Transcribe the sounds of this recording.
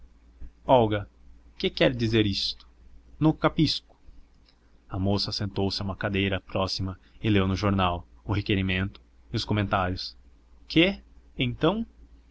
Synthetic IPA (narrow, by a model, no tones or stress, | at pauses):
ɔwɡɐ | kɪkɛɾd̪izeɾist̪ʊ̥nʊ̃kapiskʊ̥ | ɐmosɐsẽnt̪owsɪaũmɐkad̪ejɾɐpɾɔsimɐɪlewnʊʒoɾnawʊhekeɾimẽnt̪ʊ̥ | iʊskomẽnt̪aɾjʊskʰeẽt̪ɐ̃w̃